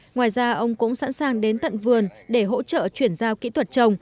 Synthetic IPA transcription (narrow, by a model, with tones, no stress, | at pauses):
ŋwaː˨˩jzaː˧ʔə˧wŋ͡mkʊ̰˧˥ŋ͡msa̰˧˥nsaː˨˩ŋɗe˨˦nt̪ə̰˧˨nvɨ˨˩ənɗe˧˩ɦo̰˧˥t͡ɕə̰ː˧˨t͡ɕwi˧˩ənzaː˧wkḭ˧˥t̪ʰwə˨˩t̚t͡ɕə˧wŋ͡m